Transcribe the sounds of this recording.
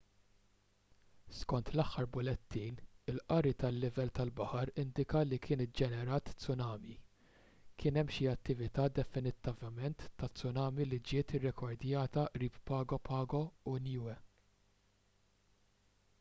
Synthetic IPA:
skɔnt̪lɐħːɐɾbʊlɛt̪ːiːnɪlʔɐɾit̪ɐlːɪvɛlt̪ɐlbɐħɐɾɪnd̪ɪkɐlikʰɪːnɪd͡ʒɛnɛɾɐːt̪t͡sʊnɐːmi | kʰɪːnɛmːʃiɐt̪ːɪvɪt̪ɐːd̪ɛfɪnɪt̪ːɐvɐmɛnt̪ːɐt͡sːʊnɐːmilid͡ʒɪːt̪ɪrːɛkʰɔɾd̪jɐːt̪ɐʔɾiːppɐːɡɔpʰɐːɡɔʊnjuːɛ

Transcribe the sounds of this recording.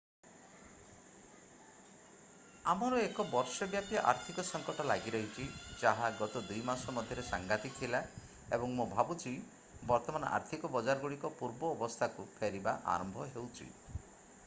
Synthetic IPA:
amɔɾɔekɔbɔɾsɔbjapjɔʔa̰ɾt̪ʰikɔsɔŋkɔʈɔlaɡiɾɔɦit͡ʃʰid͡ʒaɦaɡɔt̪ɔd̪ujmasɔmɔd̪ʱjɔɾesaŋɡat̪ikt̪ʰila | ebɔŋmobʱabut͡ʃʰi | bɔɾt̪ɔmanɔ̰ʔa̰ɾt̪ʰikɔbɔd͡ʒaɾɔɡuɽikɔpuɾbɔːbɔst̪ʰakupʰeɾibaʔa̰ɾɔmbʱɔɦewt͡ʃʰḭ

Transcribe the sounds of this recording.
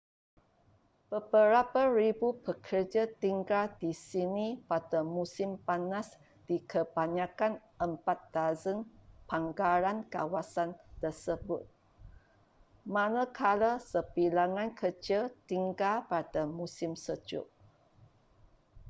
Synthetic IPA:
b̥əbəɾapaɾibupəkʰərd͡ʒat̪iŋɡaldisinipadamusɪmpanas | d̥ikʰəbaɲakan | əmpat̪̚d̪azənpaŋɡaɾanka̰wasant̪əsəbʊt̪̚ | mãnəkʰaləsəpilaŋãnkʰəd͡ʒət̪iŋɡalpadamusɪmsəd͡ʒʊ̰ʔ

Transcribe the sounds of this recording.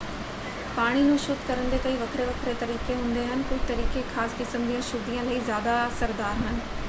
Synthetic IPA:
paːɽ̃inũːʃʊd̪kɐɾə̃nd̪ekɐiʋɐkʰɾeʋɐkʰɾet̪ɐɾiːkeɦũːn̆d̪eɦənɪ̆kʊd͡ʑʱt̪ɐɾiːkexaːskɪsə̃nd̪ijə̃ʃʊd̪ijə̃lɐizjaːd̪asɐɾd̪aːɾɦʊnɪ̆

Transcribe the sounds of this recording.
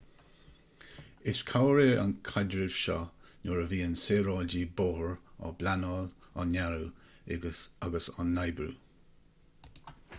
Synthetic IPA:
ɪskʰawɹeːə̰nkʰadɹɪv̥ʃɔ̰nɔɹəviːənseːɹɑːd͡ʒiboːhəɹa̰blanɔːl | a̰naɹu | aɡəsanːajbɾṵː

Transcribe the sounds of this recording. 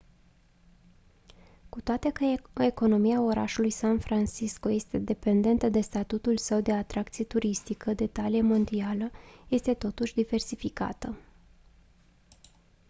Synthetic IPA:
kut̪oat̪e̞kəe̞ko̞no̞miao̞ɾa̰ʃulujsanfɾant͡ʃiskoje̞st̪e̞d̪e̞pe̞nd̪e̞nt̪əd̪e̞st̪at̪ut̪ulsəwd̪e̞at̪ɾak̚t̪sije̞t̪uɾist̪ikəd̪e̞t̪alijemo̞nd̪ialəje̞st̪e̞t̪o̞t̪uʃʲd̪ive̞rsifika̰t̪ə

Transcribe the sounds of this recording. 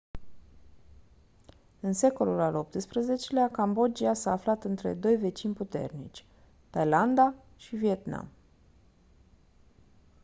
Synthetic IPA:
ɨnse̞ko̞lulalo̞p̚t̪ɨspɾəze̞t͡ʃe̞leakambo̞d͡ʒiasaːflat̪ɨnt̪ɾe̞̰d̪o̞jve̞t͡ʃinʲput̪e̞̰rnḭt͡ʃʲ | t̪ajland̪a | ʃivie̞t̪na̰m

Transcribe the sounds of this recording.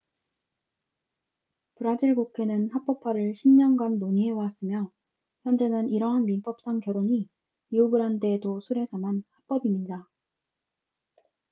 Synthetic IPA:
pɯɾad͡ʑiɭɡokʰe̞nɯnhap͈ʌpʰaɾɯɭɕʰimɲʌnɡanːoɲiɦe̞was͈ɯmjʌ | çjʌnd͡ʑe̞nɯniɾʌɦanminp͈ʌp̚s͈aŋkjʌɾoɲi | iubɯɾɦante̞dosʰuɾe̞sʰamanhap͈ʌbimɲida

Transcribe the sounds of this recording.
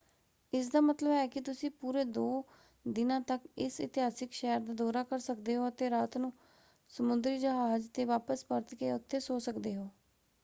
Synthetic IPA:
ɪsd̪aːmət̪ləbɛːkɪt̪ʊsĩːpuːɾeːd̪oː | d̪ɪnãːt̪əkɪsɪ̰t̪ɪɦaːsɪkʃɛːəɾd̪aːd̪ɔːɾaːkəɾsəkd̪eːɦoːət̪eːɾaːt̪nũː | səmʊnd̪ɾiːd͡ʒəɦaːd͡ʒt̪eːʋaːpəspəɾt̪keːʊt̪ʰːeːsoːsəkd̪eːɦoː

